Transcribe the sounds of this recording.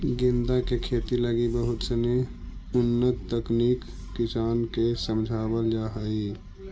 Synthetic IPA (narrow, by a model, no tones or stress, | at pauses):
ɡɪ̃nd̪akekʰeːt̪iləɡibəɦʊt̪səne | ʊnːət̪t̪əkniːkː | ɪsaːnkesəmd͡ʒʱaːbəld͡ʒaɦəi